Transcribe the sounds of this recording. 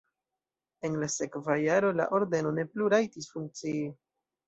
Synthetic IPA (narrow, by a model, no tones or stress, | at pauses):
e̞nlase̞kvajaɾo̞la̰ʔo̞ɾde̞no̞ne̞pluɾajtisfuŋk̚t͡sii